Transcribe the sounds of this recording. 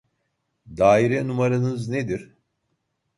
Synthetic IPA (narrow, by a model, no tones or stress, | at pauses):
d̪aːiɾɛnumaɾanɯzned̪iɾ̥